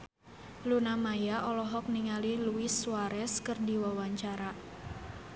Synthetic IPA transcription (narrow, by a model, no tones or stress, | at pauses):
lunamajaʔɔlɔɦɔk̚niŋaliluɪsːuwaɾɛskərdiwawaɲt͡ʃaɾa